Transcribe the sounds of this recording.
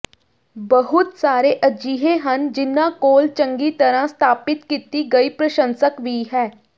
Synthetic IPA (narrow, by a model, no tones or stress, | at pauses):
bəɦʊt̪saːɾeːʔəd͡ʒiːɦẽːɦənd͡ʒɪnːãːkoːlt͡ʃəŋɡiːt̪əɾãːst̪ʰaːpɪt̪kiːt̪iːɡəiːpɾəʃə̃nsəkʋiːɦɛː